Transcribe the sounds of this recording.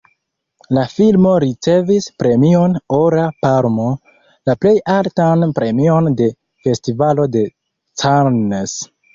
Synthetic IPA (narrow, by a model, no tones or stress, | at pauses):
lafilmo̞ɾit͡se̞vispɾe̞mio̞noɾapaɾmo | laple̞jaltanpɾʔe̞mio̞nde̞ | fe̞stivalo̞de̞ | t͡saɾnes